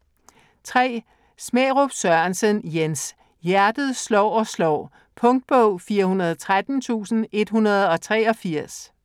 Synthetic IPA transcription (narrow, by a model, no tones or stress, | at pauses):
t͡sʰʁɛ̰ː | smḛːʁob̥sɶɐnsənjens | jæɐd̥ð̩ˠslɒ̰ːɒ̽slɒ̰ː | pʰɔ̽ŋd̥̚b̥ɔʊ̰fiːɐhunɐð̞ˠɒt͡sʰʁad̥n̩t͡sʰṵːsn̩e̝d̥hunɐð̞ˠɒ̽t͡sʰʁɛːɒ̽fiɐ̰s